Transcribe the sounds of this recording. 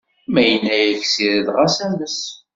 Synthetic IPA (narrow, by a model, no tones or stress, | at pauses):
mæjənːæjəçsiðəðʁasæməs